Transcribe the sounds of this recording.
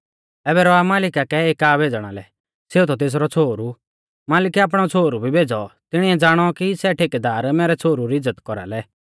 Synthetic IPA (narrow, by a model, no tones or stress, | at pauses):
ɛːbɛɾɔamaːlɪkakɛeːkaːbʱeːd͡zɽ̃a̰lɛ̰ | seːut̪ɔt̪̬eːs̬ɾɔt͡sʰoːɾu | maːlɪkɛaːp̬ɽ̃ɔt͡sʰoːɾubʱibʱeːd͡zɔt̪ɪɽ̃iɛd͡zaːɽ̃ɔkisɛʈʰeːked̪aːɾmɛːɾɛt͡sʰoːɾuɾiɪd͡zːət̪kɔɾa̰lɛ